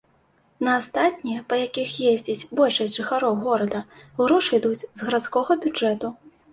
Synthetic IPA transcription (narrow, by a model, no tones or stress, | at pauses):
nɐːst̪at̪̚ʲnʲijɛpɐjakʲixjezʲd͡zʲit͡sʲbɔlʲʂɐsʲtʲʐɨxaɾɔwɣɔɾɐd̪ɐuɾɔʂɨjd̪ud͡zʲzɣɐɾat̪skɔɣɐbʲud͡ʐɛt̪u